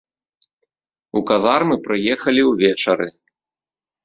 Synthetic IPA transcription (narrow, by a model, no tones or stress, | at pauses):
ukazarmɨpɾɨjɛxɐlʲiwvʲɛt͡ʂɐɾɨ